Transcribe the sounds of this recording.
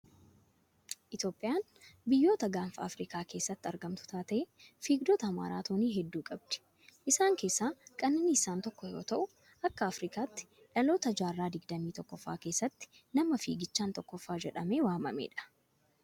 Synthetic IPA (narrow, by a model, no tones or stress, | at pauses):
ʔɪt̪o̞ːpʼːɪjaːn | bɪjːo̞ːt̪ɐɡaːnfɐɐ̰fɾiːkaːke̞ːsːɐt̪ːɪɐɾɡɐmt̪ʊ̥t̪aːt̪ɐʔɛfiːɡd̪oːt̪ɐːma̰ːɾa̰ːt̪oːniːɦɛd̪ːuːkʼɐb̚d̪ɪ̥ | ʔɪsaːŋke̞ːsːaːkʼɐnːɐnːiɪsaːnt̪ɔkːɔjo̞̰ːt̪ɐʔʊ | ɐkːɐːfɾiːkaːt̪ːɪ̥ | ᶑɐlo̞ːt̪ɐd͡ʒaːrːaːd̪ɪɡd̪ɐmiːt̪ɔkːɔfːa̰ːke̞ːsːɐt̪ːɪ̥ | nɐmɐfḭːɡɪt͡ʃːaːnt̪ɔkːɔfːaːd͡ʒɛᶑɐme̞ːwaːmɐ̰mḛːᶑɐ̥